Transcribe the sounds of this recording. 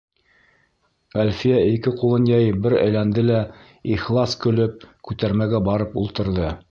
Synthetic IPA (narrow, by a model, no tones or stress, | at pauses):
ælʲfijæikɘqulˠɤnjɑjbɘɾæ̰jlænd̪ɘlæ | iχlˠɑskɵ̆lɵp̚kʉt̪æɾmæɡæbɑɾɤpṵlˠt̪ɤ̆ɾðɤ